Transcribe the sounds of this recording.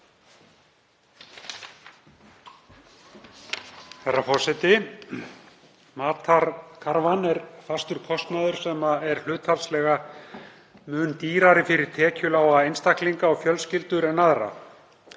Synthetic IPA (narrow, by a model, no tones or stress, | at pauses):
θɛrːafɔr̥sɛt̪ɪ | maːt̪akʰaɾvanɛɾfast̪ʏɾ̥kʰɔst̪naðʏɾ̥sɛːmaɛɾ̥l̥ʏːt̪halslɛɣa | mʏːnt̪iːɾaɾɪfɪɾɪɾ̥t̪ʰɛːcʏlaːwaejnst̪akliŋkaɔfjœlscɪlt̪ʏɾɛnːaðɾa̰